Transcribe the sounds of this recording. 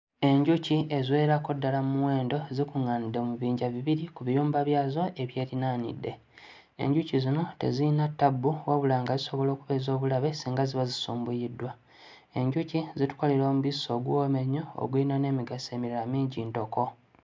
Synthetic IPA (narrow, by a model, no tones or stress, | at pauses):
e̞ɲɟucie̞zwe̞ːɾako̞dːalamuwe̞ːndo̞zikuŋanide̞muβiːɲɟaβiβiɾikuβijuːmbaβjaːzo̞ʔe̞βje̞ːɾinaːnḭdːe̞ | ḛɲɟucizino̞te̞̰ziinatːabːuwaβulaːŋɡaziso̞βo̞lo̞ːkuβe̞ːzo̞ːβulaβe̞siːŋɡaziβazisuːmbujidːwa | eɲɟucizitu̥ko̞leɾo̞ːmuβiso̞ɡwoːme̞ɲoo̰ɡuinane̞ːmiɡase̞miɾaɾamiːɲɟiːnto̞ko̞